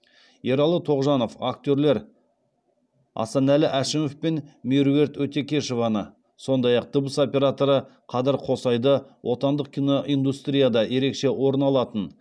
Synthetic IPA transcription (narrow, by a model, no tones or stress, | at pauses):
je̞ɾɑlˠət̪ʰo̞ʁʒɑno̞fak̚t̪ʲøɾle̞ɾ | ɑ̰sɑnælɪʔæʃɪmofpenmiɾe̞ɾt̪wɵt̪e̞kʲʰe̞ʃovɑnə | so̞nd̪ɑjɑq̚t̪əbəso̞pʲe̞ɾat̪o̞ɾəqʰɑzɪɾqʰo̞sɑjd̪əwʔo̞t̪ɑnd̪əq̚kʲino̞ʔind̪ust̪ɾʲijad̪ɑje̞ɾe̞kʃe̞wo̞ɾənɑlˠɑt̪ən